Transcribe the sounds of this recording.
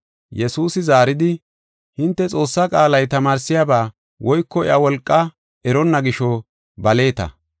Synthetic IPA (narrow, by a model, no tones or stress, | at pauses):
jɛsuːsɪzaːɾɪd̪ɪ | hɪnt̪ːɛt͡sʼo̞ːsːakʼaːlɐjt̪ɐmaːɾsɪjaːbaː | wɔjkːɔɪ̰ʔawɔlkʼːɐ | ɛɾɔnːɐɡɪʃɔ | bɐle̞ːt̪ɐ̰